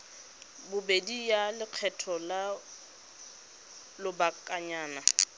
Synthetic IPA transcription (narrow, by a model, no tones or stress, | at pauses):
bʊbedijalɪq͡χʰɛtʰɔla | lʊbakʼaɲaːna